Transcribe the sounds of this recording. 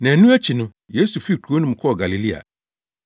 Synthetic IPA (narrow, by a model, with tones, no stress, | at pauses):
nã˨nũ˦æ˦t͡ɕʰi˨nʊ̃˦ | je˦su˨fi˦˨tʰu˨˦o˦nʊ̃˦m̩̃˨kʰɔ˦ɔ˨ɡa˨li˨li˦a̰˨